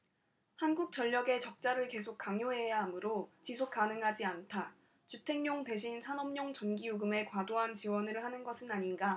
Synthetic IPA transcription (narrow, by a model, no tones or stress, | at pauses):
hanɡuk̚t͡ɕ͈ʌʎːʌɡe̞t͡ɕʌk̚t͡ɕ͈aɾɯɭke̞sʰok̚k͈aŋjoɦe̞jaːmɯɾot͡ɕisʰok̚k͈anɯŋɦad͡ʑiantʰa | t͡ɕutʰe̞ŋɲoŋte̞ɕʰinsʰanʌmɲoŋt͡ɕʌnɡijoɡɯme̞kwadoɦant͡ɕiwʌnɯɭhanɯnɡʌsʰɯnaɲinɡa